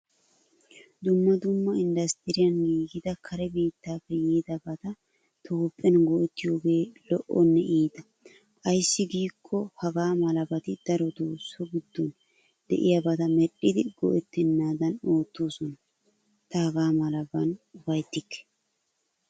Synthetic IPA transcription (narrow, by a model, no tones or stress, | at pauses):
d̪ʊmːɐd̪ʊmːɐɪnd̪ɐst̪ɪɾɪjɐnɡiːɡɪd̪ɐkʰɐɾɛbiːt̪ːaːfːɛjiːd̪ɐbɐt̪ɐ | t̪ʰoːpʼːɛnɡɔʔɛt̪ːɪjo̞ːɡe̞ːlɔʔːɔnːɛʔiːd̪ɐ | kʼɐjsːɪɡiːkʰːɔhɐɡaːmɐlɐbɐt̪ɪd̪̥ɐɾɔd̪oːsːɔɡɪd̪ːon | d̪ɛ̰ʔɪjɐbɐt̪ɐmɛɗːɪd̪ɪɡ̥ɔ̰ʔɛt̪ːɪnːaːd̪ɐno̞ːt̪ːo̞ːsɔnɐ | t̪ɐhɐɡaːmɐlɐbɐnʊfɐjt̪ːɪkːɛ̥